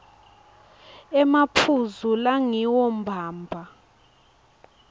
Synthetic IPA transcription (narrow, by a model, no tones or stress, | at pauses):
ɛmapʰuzulaŋiwɔmbʱaːmbʱa